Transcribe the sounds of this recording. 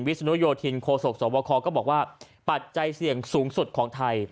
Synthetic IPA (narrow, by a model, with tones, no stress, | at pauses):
nwi˦˥sa˧nu˦˥joː˧t̪ʰi˧nkʰoː˧so˨˩k̚sɔː˩˦bɔː˧kʰɔː˧kɔː˥˩bɔː˨˩k̚waː˥˩ | pa˨˩t̪̚t͡ɕa˧jsi˨˩əŋsuː˩˦ŋsu˨˩t̪̚kʰɔː˩˦ŋt̪ʰa˧j